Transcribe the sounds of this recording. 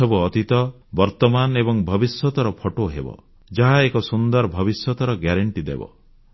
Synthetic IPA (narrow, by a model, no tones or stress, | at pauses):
ɔbuɔt̪it̪ɔ | bɔɾt̪ɔmanebɔŋbʱɔbisjɔt̪ɔɾɔpʰoʈoɦḛbɔ̰ | d͡ʒaɦaekɔsund̪ɔɾbʱɔβisɔt̪ɔɾɔɡjaɾeɳʈid̪ḛbɔ̰